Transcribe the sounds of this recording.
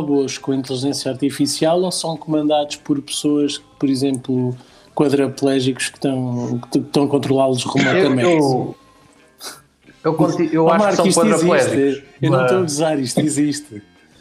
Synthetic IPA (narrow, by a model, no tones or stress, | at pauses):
aβoʃkõĩnt̪lˠiʒẽsjɐaɾt̪ifisialˠosɐ̃w̃kumɐ̃nd̪aðuʃpɔɾpɨ̥soɐʃpɔɾizẽmplˠu | kwɐðɾɐplˠɛʒiku̥ʃkt̪ɐ̃w̃kt̪kʃt̪ɐ̃w̃ɐkõnt̪ɾulˠalˠuʒʁmɔkɐmew | ewkõt̪iewɔaʃmaɾksɐ̃iʃtkwɐðiɾɐzilˠɛʃʒt̪ikewnɐ̃w̃t̪oɐvizaɾiʃt̪iziʃt̪ɨ